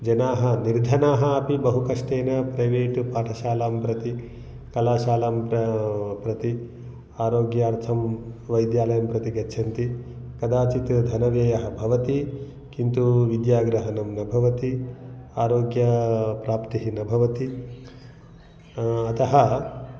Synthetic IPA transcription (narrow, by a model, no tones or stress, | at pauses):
d͡ʒɐnaːɦɐ̆niɾd̪ʱɐnaːɦɐɐpibɐɦukɐʂʈeːnɐpɾɐjʋeːʈupaːʈʰɐʃaːlaːmpɾɐt̪i | kɐlaːʃaːlaːmppɾɐt̪i | aːɾoːɡjaːɾt̪ʰɐmʋɐjd̪jaːlɐjɐmpɾɐt̪iɡɐːt͡ʃʰɐnt̪i | kɐd̪aːt͡ʃit̪d̪ʱɐnɐʋeːjɐɦɐbʱɐʋɐt̪i | kint̪uʋid̪jaːɡɾɐɦɐnɐmnɐbʱɐʋɐt̪iaːɾoːɡjɐpɾaːpt̪iɦinɐbʱɐʋɐt̪i | ɐt̪ɐɦɐ